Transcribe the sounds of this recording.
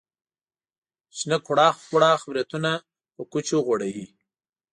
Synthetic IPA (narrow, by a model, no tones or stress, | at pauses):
ʃnakʰʊɽɑːxxʊɽɑːxbɾjat̪una | pəkut͡ʃoɣwaɽawi